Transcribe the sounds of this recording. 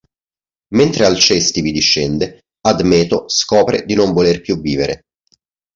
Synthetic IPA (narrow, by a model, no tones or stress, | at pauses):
ment̪ɾealt͡ʃɛst̪ivid̪iʃːɛnd̪e | ad̪mɛːt̪oskɔːpɾḛd̪inoɱvolerpjuvːiːveɾḛ